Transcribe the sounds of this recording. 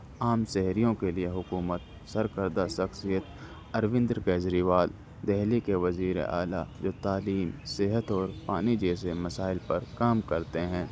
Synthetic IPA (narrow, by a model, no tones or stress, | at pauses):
aːmsɛɦɾijõkelieɦʊkuːmət̪̚ | sɐɾkəɾd̪aʃɐxsijət̪ | ɐɾʋɪ̃nd̪ɾkɛːzɾiʋaːl | d̪ɛɦlikeʋɐziːɾḛʔa̰ːla̰d͡ʒoːt̪aːliːmsɪɦət̪ɔːɾpaːnid͡ʒɛːs̬emɐsaːɪlpɐɾkaːmkɐɾt̪eɦɛ̃ː